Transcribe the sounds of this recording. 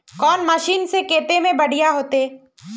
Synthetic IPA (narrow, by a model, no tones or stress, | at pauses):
kɔːnmɐʃiːnsekeːt̪emẽbɐɽ̤ijaɦoːt̪eː